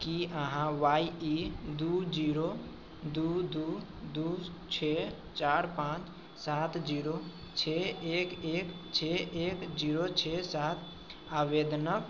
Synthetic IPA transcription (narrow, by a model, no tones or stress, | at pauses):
kiəɦãʋaːiid̪ud͡ʒiːɾo | d̪ud̪u | d̪u | t͡ʃʰe | t͡ʃaːɾpãːt͡ʃ | saːt̪ʰd͡ʒiːɾo | t͡ʃʰeeːkeːkt͡ʃʰeeːkd͡ʒiːɾot͡ʃʰesaːt̪ʰ | aʋeːd̪nək